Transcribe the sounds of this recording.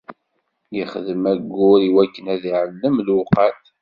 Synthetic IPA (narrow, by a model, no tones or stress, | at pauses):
jiχəðəmæɡːʊɾiwækːənæðiʕəlːəmlʊqat̪